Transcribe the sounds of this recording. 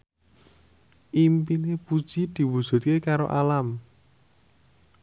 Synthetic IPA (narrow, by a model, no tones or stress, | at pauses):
ʔimpinepud̥ʒ̥id̪̥i̤wud̥ʒ̥ṳt̪̚kekaɾo̰ʔalam